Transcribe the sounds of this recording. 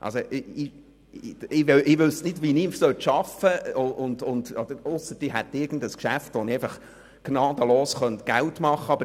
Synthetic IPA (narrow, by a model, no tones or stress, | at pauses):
ʔɑ̰lsoʔɪ | ɪʋɛʔɪʋʏsnɪdʋinimsœt̪ʃɑfəʊʊndʊnd̥̪ɔd̥̪əɾʊsːətiɦɛt̪ːɪɾɡ̥n̩dəskʃæftʋoniæɪfɑχ | ɡ̥nɑːd̥̪əloːsχœnt̪ɡ̥æltmɑχːəɑbə